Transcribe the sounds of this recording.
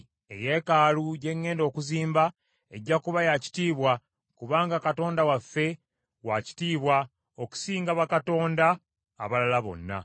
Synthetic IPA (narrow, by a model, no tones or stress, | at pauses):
e̞̰je̞ːkaːluɟe̞ŋːe̞ːndo̞ːkuziːmba | e̞ɟːakuβajaci̥tiːβwa | kuβaːŋɡakato̞ːndawafːe̞ | waci̥tiːβwa | oku̥siːŋɡaβakato̞ːndaː | βalalaβo̞̰nːa̰